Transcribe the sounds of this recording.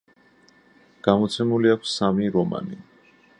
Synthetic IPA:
ɡ̥amɔt̪sʰɛmuliakʰssamiɾɔma̰ni

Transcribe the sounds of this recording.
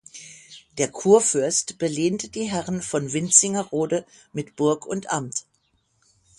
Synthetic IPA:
d̥eːɐkʰuːɐfʏɐstb̥əleːntəd̥iːɦɛʁənfɔnvɪnt͡sɪŋɐʁoːdə | mɪtb̥ʊɐkʰʊntʔamt

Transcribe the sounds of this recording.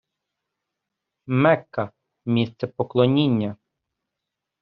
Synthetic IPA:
mɛkːɐ | mʲist̪sɛpɔklˠɔnʲinʲːɐ

